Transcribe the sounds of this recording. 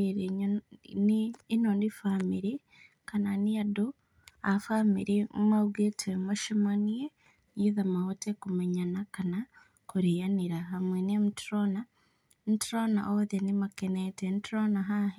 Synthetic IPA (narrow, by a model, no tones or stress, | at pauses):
eɾiɲniːnondifamiɾi | kananijadu | afamiɾimaβɡetʰemaʃimanie | niiðamahotekumeɲanakana | kuɾijaniɾaɦamwenemutɾona | ntɾona̰ʔoðenimakenetentɾonaɦaɦi